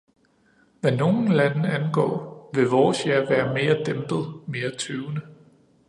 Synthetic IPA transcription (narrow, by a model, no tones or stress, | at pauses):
ʋæno̝ːn̩lænəænɡ̥ɒ̰ːʋe̝ʋɒːsjæɐʋæːɐme̝ːɐd̥emb̥ð̞̩ˠme̝ːɐt͡sʰøʊnə